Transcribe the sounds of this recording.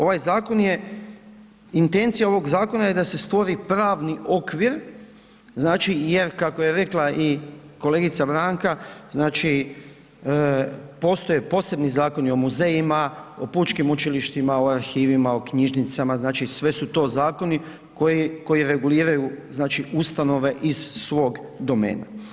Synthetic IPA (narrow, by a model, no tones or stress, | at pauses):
o̞ʋajzaːko̞nje̞ | int̪e̞nt̪sijaoʋo̞ɡzaːko̞naje̞d̪ase̞st̪ʋo̞ɾipɾaːʋniʔo̞kʋiɾ | znaːt͡ʃije̞ɾkako̞je̞ɾe̞klˠaʔiko̞leɡit̪sabɾaːŋkaznaːt͡ʃi | po̞ːst̪o̞jepo̞se̞bnizaːko̞nio̞muze̞jimao̞put͡ʃkimut͡ʃiliʃt̪imaoaɾxiːʋimao̞kɲiʒnit̪samaznaːt͡ʃisʋe̞sut̪o̞ːzaːko̞ni | kojiko̞jiɾe̞ɡuliːɾajuznaːt͡ʃiust̪ano̞ʋe̞ʔiz̥sʋo̞ːɡd̪o̞mḛːna̰